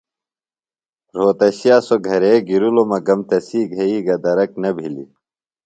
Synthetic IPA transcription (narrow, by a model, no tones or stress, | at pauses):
ɾoːt̪ɐɕijaːsoɡʱɐɾeːɡiɾulomɐɡɐmt̪ɐsiːɡʱɐiːɡɐd̪ɐɾɐknɐbʱilḭ